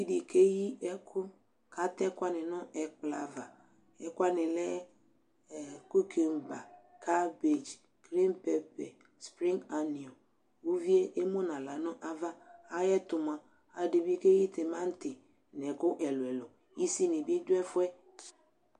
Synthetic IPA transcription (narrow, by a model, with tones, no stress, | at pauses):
i˦di˨ke˦ji˦ɛ˦kʰu˦ | kʰa˨tɛ˦kʷa˦nɪ˨nʊ̃˦ʔɛ˨k͡pla˨va˨ | ɛ˦kʷa˦nɪ˨lɛ˦˨ | ku˦kʰe˨m˨ba˨kʰa˦be˨d͡ʒ | ɡ̥ɾi˦npe˦pɛ˨ | spɾĩ˦ŋa˨ni˨o˨ | o˦vi˦e˦ʔe˦mo˦nã˨la˨nʊ̃˦ʔa˦va˦a˨jɛ˦tʊ˨mã˨ | a˨de˨bi˦ke˦ji˦tɪ˨mã˦n˦tɪ˨ | nɛ˨kʊ˦ʔɛ˨lʊ˨ɛ˨lɔ˨ | i˦si˦nɪ˨bi˦e˦d͡ʒʊ˦ɛ˦fʊ˦ɛ˦